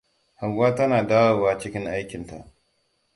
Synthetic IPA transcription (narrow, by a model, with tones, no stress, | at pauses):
ha˨ŋɡʷaː˦tɐ˦naː˨daː˦wa˨waː˦t͡ʃɪ˦kʲɪ˦ŋʔa˦jkʲɪ˨nta̰˨ʔ